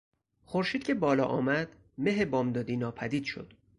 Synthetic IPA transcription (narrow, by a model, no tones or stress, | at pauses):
xoɾʃiːd̪̚cʲʰe̞bɒːlɒ̰ːʔɒːmæd̪̥ | me̞ɦebɒːmd̪ɒːd̪iːnɒːpʰæd̪iːd̪ʃo̰d̪̥